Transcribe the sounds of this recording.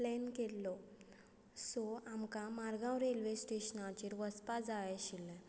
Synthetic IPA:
lɛnkelːɔ | sɔamkamaɾɡãwɾelʋesʈeɕnat͡ɕiːɾʋəspad͡zajaɕilːɛ̃

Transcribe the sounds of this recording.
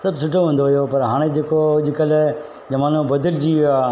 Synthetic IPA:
sɐbsʊʈʰoɦũːn̆d̪oɦjopɐɾɦaːɽ̃ed͡ʑeːkod͡ʑɪkəl | d͡ʑɐmaːnõbɐd̪əld͡ʑiː

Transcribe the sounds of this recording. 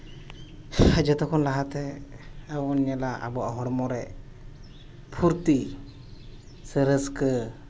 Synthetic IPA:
d͡ʒɛt̪ɔkʰɔnlaɦat̪ɛː | wɔnɲɛlaʔa̰bɔʔɔɦɔɽmɔɾɛ | pʰuɾt̪i | səɾəskə

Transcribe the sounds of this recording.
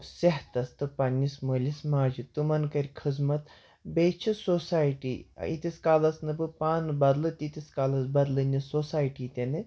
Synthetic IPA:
seɦt̪ɐst̪ɨpɐnːisməːlʲismaːd͡ʒit̪umɐnkɐɾʲkʰɨzmɐt̪ | beːt͡ʃʰisoːsaːjʈḭːḭt̪ʲiskaːlɐsnɨbɨpaːnɨbɐd̪lɨt̪ʲit̪ʲiskaːlɐsbɐd̪lɨnʲisoːsaːjʈiːt̪ʲenɨ

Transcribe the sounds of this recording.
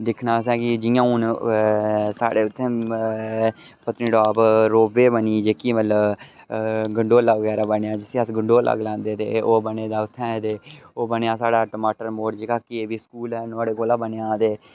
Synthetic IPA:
d̪ɪkʰnaːsɛ̃ːkɪd͡ʒɪjãːuːn | sa̰ːɽeːʊt̪ʰːẽː | pət̪nĩːɖaːbɾoːʋeːbəniːd͡ʒeːkiːmət̪ləb | ɡəɳɖoːlaːʋəɡɛːɾaːbəneaːd͡ʒɪsĩːəsɡəɳɖoːla̰ːɡlãːnd̪eːt̪ḛːoːbəneːd̪aːʊt̪ʰːɛ̃ːt̪eːoːbənejaːsaːɽaːʈəmaːʈəɾmoːʈd͡ʒeːkaːkieːʋiːskuːlɛːnaːɽeːkoːlaːbəneãːt̪eː

